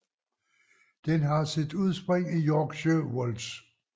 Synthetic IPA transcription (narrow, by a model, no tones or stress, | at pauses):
d̥enɦɑ̈sed̥uð̰ˠsb̥ʁeŋ̰ijɒɡ̥ɕøwols